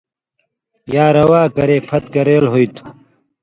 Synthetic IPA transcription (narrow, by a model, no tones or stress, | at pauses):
jaːɾɐwaːkɐɾeːpʰɐt̪̚kɐɾeːlɦoit̪ʰu̥